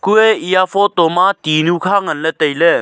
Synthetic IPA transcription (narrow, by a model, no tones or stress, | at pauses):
kuɛijafʰɔt̪ɔmat̪inukʰaŋɐnlɛt̪əjlɛ